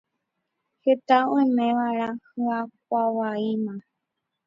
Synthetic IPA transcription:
het̪aõẽmẽʋaɾ̃ãhɨak̚ʷawaimã

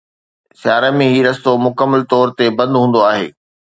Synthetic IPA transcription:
sjaːɾəmẽɦiːɾɐst̪omʊkəmːəlt̪ɔːɾt̪ebɐ̃nd̪ɦũːn̆d̪oaːɦḛː

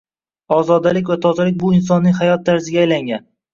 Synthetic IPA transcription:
ɒzɒd̪alɪkʲvat̪ʰɒzalɪk̚ʲbʊɪns̬ɒnːɪŋʲhajɒt̪ʰːaɾzɪɡʲaːjlaŋɡʲan

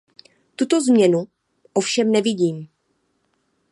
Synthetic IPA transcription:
t̪ut̪o̞zmɲɛnu | ʔofʃɛmnɛvɪɟiːm

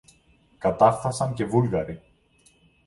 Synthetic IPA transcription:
kat̪arθasancɛvulɣaɾi

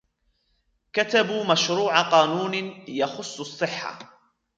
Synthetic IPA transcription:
kat̪abuːmaʃɾuːʕaqɑːnuːnjɑxʊsˤːɑsˤːɨħːa̰

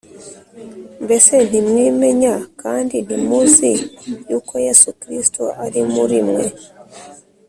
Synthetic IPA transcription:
mbese̞nimwiːme̞ɲakaːndinimuzijuːkʰo̞jesukɾistʰoʔaɾimuɾimwe̞

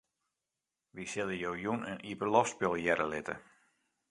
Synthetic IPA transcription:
ʋisɪləjowjunənipərlɔfspɪlˠjɛɾəlɪtə̰

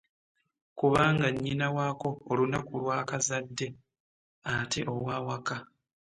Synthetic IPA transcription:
kuβaːŋɡaɲːinawaːko̞ːlunakulwaːkazadːe̞ | atʰe̞ʔo̞waːwaka

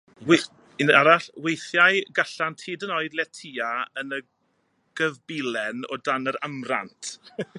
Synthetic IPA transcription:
w | inaɾaɬwejθjajɡaɬantʰiːdənɔɨdlɛtʰiːaənə | ɡ̥əvbilɛnɔ̰danəɾamra̰ntʰ

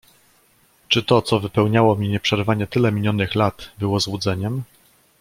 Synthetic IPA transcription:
t͡ʂɘt̪ɔt̪sɔvɘpɛwɲawɔmʲiɲɛpʂɛɾvaɲɛt̪ɘlɛmʲilʲjɔnɘxlat̪bɘwɔzwud̪zɛɲɛm

